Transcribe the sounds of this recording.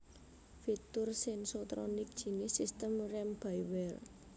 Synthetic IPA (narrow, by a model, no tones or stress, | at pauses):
fit̪ʊrsɛnsot̪ɾɔnɪk̚d̥ʒ̥i̤nɪsist̪əmrɛmb̥ajwɛl